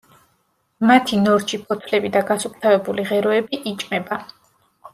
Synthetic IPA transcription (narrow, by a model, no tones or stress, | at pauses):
mat̪ʰinɔɾt͡ʃʰipʰɔt̪ʰlɛbid̪aɡasup̚t̪ʰavɛbuliʁɛɾɔɛbiʔit͡ʃʼmɛba